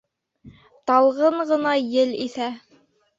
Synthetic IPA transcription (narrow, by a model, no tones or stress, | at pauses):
t̪ɑlˠʁɤɴʁɤ̆nɑjɘliθæ